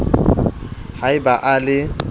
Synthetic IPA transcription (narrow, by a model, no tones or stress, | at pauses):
haɪbaʔalɪ